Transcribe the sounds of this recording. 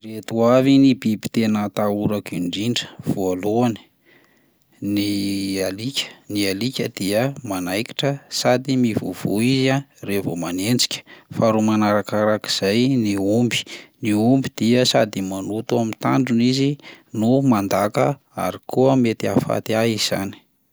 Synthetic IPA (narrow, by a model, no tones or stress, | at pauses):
ret̪uavinibibi̥t̪enət̪auɾakiɳɖ͡ʐiɳɖ͡ʐə̥v̥ualoani̥ | nialikʲə̥nialikʲəd̪̥iəmanajki̥ʈ͡ʂəsad̪imivṵv̥uizarevo̰manend͡zi̥kʲə̥faɾumanaɾakaɾaki̥z̥ajniumbi̥niumbid̪̥iəsad̪imanut̪uamit̪a̰ɳɖ͡ʐunizinumand̪akə | a̰ɾikuəmet̪ia̰fa̰t̪iaɦiz̥a̰ni̥